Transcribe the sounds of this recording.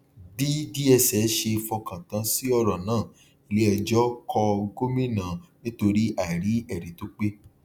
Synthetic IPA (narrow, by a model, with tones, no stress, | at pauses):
di˦di˦ɛ˧sɛ˨˦ʃe˧fɔ˧kã˨tã˨˧si˦ɔ˦˧ɾɔ˨nãː˦˨ | i˧le˦ɛ˨d͡ʒɔ˦kʰɔ˧ɡo˦mĩ˦nã˨nĩ˦to˧ɾi˦ʔa˦˨ɾi˨˦ɛ˦˨ɾi˨to˧˦k͡pe˦